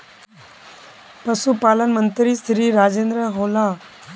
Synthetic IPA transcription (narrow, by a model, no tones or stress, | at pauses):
pəsupaːlənmənt̪ɾisɾiːɾaːd͡ʒeːnd̪ɾəɦoːlaː